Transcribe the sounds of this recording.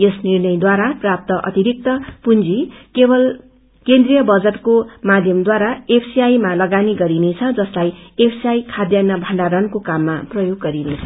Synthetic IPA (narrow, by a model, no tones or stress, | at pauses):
esnirnʌjd̪waɾaprap̚t̪ʌʔʌ̰t̪iɾik̚t̪ʌpund͡zikebʌl | kend̪rijʌbʌd͡zʌʈ̪komad̪ʱjʌmd̪waɾaepʰsiajmalʌɡaniɡʌɾinet͡sʰʌd͡zʌslajepʰsiajkʰad̪janːʌbʱʌɳɖaɾʌnkokamːaprʌjoɡːʌɾinet͡sʰʌ̥